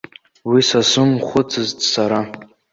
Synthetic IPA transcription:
wisasʊmχʷʊt͡sʰɨztʼsaɾa

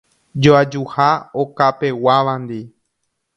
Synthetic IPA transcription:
d͡ʒoad͡ʒuhaokape̞waʋãnd̪i

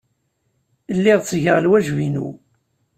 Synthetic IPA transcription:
əlːiʁt͡sːʝəʁlwæʒvinṵ

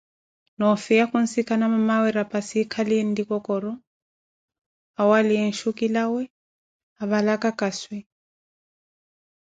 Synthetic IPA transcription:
nɔfɛakun̩sikʰanamamawɛɾapʼasikʰaliɛn̩dikɔkɔɾɔ | awaliɛn̩ʃukilawɛ | aβalakakaswɛ

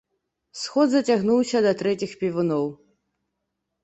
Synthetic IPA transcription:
sxɔd̪zɐt͡sʲaɣnuwsʲɐd̪ɐt̪ɾɛt͡sʲixpʲivɨnɔw

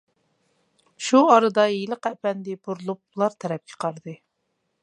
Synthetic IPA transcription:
ʃuɑɾɨd̪ɑjilˠəqɛpɛnd̪ɪbuɾlˠup̚lˠɑɾt̪ʰɛɾɛp̚kʲʰə̥qɑɾd̪ɨ

